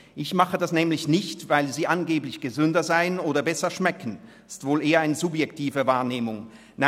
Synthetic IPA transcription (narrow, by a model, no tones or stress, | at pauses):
ʔɪçmaχədasnɛːmlɪçnɪçtvaɪlziːʔanɡeːblɪçɡ̥əzʏndɐzaɪənoːdɐbɛsɐʃmɛkən̩ | ɪ̥stv̥oːlʔeːɐaɪnəzʊbjɛktʰiːvəvaːɐneːmʊŋ | na